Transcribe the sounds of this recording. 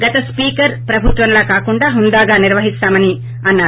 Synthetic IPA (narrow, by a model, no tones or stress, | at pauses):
ɡɐt̪ɐspiːkɐɾpɾɐbʱut̪ʋɐmloːkaːkuɳɖaːɦund̪aːɡaːniɾʋɐɦist̪aːmɐni | ɐnːaːu